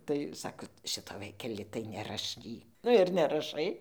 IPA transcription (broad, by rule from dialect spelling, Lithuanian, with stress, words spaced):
tɐɪ ˈsɑːkoː ˈʃʲɪtoː ˈʋɐɪkʲɛlʲɪ tɐɪ nʲɛrɐˈʃʲkʲiː ˈnʊ ɪr nʲɛrɐˈʃɐɪ